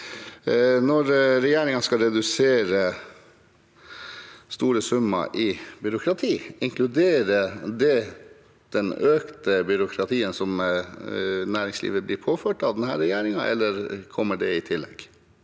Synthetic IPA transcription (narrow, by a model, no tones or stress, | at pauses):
nɔɾɾɛjeːɾɪŋənskɑɾɛd̪ʉseːɾə | st̪uːɾəsʉmːə̰ʔɪbʏɾʊkʰɾɑt̪ʰiːɪŋkʰlʉd̪eːɾəd̪ɛ | d̪̥ɛnøːkt̪əbʏɾʊkʰɾɑt̪ʰiːənsɔm | næːɾɪŋslḭːʋəblɪɾpʰoːføːʈɑʋd̪ɛnhæːɾɛjeːɾɪŋɑʔɛ̰lːəɾkʰɔmːəɖɛɪt̪ʰɪlːɛ̰ɡ̥